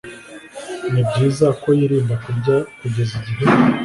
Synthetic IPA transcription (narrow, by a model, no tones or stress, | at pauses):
nibɟiːzako̞jiɾiːmbakuɟakuɟe̞ziɟiɾe